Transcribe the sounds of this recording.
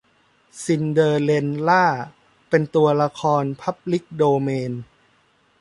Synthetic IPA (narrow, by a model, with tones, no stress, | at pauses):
si˧˩ndɤː˧le˧nlaː˥˩ | pe˧nt̪u˧ɐla˧kʰɔː˧npʰa˦˥p̚li˦˥k̚doː˧meː˧n